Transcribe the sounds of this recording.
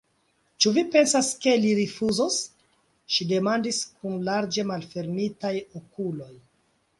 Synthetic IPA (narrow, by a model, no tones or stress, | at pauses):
t͡ʃuvipe̞nsaske̞liɾifuzos | ʃide̞mandiskunlaɾd͡ʒe̞malfe̞ɾmitajokulo̞j